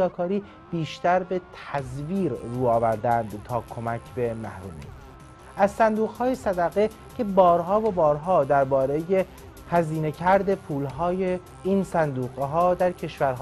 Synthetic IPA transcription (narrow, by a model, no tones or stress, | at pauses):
ɒːkʰɒːɾiː | b̥iːʃt̪æɾbe̞t̪ʰæzviːɾːuːɒːvæɾd̪ænd̪t̪ʰɒːkʰo̞mæcʰbe̞mæ̰hɾṵːmḛ | æzsænd̪uːɣhɒːjesæd̪æɣe̞ | cʰe̞bɒːɾɦɒːvobɒːɾɦɒːd̪æɾbɒːɾe̞je | hæziːne̞cʰæɾd̪e̞pʰuːlɦɒːje | iːnsænd̪uːɣɦɒːd̪æɾcʰe̞ʃvæɾɦ